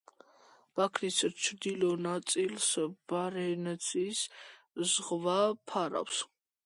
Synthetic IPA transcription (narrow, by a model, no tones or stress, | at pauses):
b̥akʰnist͡ʃʰd̪ilɔnasʼilsb̥aɾɛnɛt͡s̪ʰʼis | zʁvapʰaɾa̰ws